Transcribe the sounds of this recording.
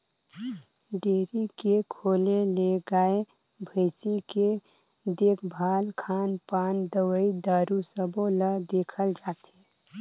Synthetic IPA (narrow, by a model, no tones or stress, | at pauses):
ɖeːɾikekʰoːleleɡaːe | bʱəɪsike | d̪eːkʰbʱaːlkʰaːnpaːnd̪əwəid̪aːɾusəboləd̪eːkʰəld͡ʒaːt̪eː